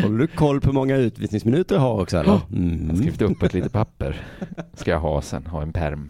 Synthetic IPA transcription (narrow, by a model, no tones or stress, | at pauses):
hɔld̪ɵkʰɔlːpʰhɵmɔŋːaʉ̟ːt̪vḭsnɪŋsmɪnʉ̟ːt̪əɾɦaɾɔksɔɛ̰lːə̰ɾm̩hskiːft̪ɵpːɛt̪liːt̪əpʰapːəɾskajaɦɑːsɛ̰nɦɑːɛnpʰæ̰ɾm